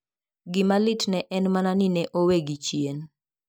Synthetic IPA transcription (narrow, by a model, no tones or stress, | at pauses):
ɡɪmalɪtnɛʔɛnmananɪnɛʔoweɡit͡ʃjen